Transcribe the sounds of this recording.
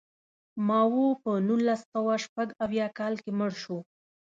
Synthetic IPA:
mɑwopənunlasːawaʃpaɡawjɑkɑlkeməɽʃo

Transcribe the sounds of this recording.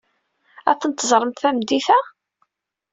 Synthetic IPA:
æθənt̪ːəzˤɾˤəmt̪θæmd̪iθæ

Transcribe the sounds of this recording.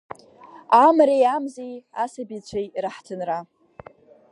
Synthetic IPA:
amɾejamzejasabit͡ɕʷʰajraħtʰɨnra

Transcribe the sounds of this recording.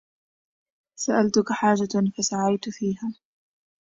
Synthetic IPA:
saʔalt̪ʊkaħaːd͡ʒafasaʕajt̪fiːɦaː

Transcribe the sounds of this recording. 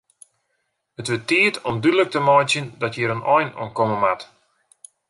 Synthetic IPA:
hətʋɪtiətʰɔmdydələk̚təmɔjtjəndɔtʰjiɾənʔɔjnṵənkɔməmat

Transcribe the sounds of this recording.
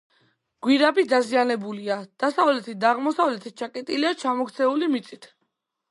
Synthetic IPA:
ɡ̥wiɾabid̪azianɛbuliad̪̥asavlɛt̪ʰid̪aʁmɔsavlɛt̪ʰit͡ʃʰakʼɛt̪ʼiliat͡ʃʰamɔkʰt̪sʰɛulimit̪sʼit̪ʰ

